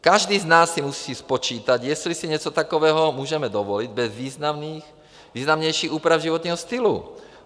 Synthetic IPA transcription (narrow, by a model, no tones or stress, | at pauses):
kaʒd̪iːznaːsːimusiːspɔt͡ʃiːt̪aɟjɛslisiɲɛt͡sɔt̪akɔʋɛːɦɔmuːʒɛmɛd̪ɔʋɔliɟbɛzʋiːznamniːx | viːznamɲɛjʃiːɣuːpɾavʒiʋɔt̪ɲɛːɦɔst̪ilṵ